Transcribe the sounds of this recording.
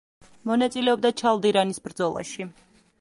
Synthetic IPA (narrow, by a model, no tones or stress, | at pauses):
mɔnat̪sʼilɛɔb̚d̪at͡ʃʰalˠd̪iɾanisbɾd̪zɔlˠa̰ʃi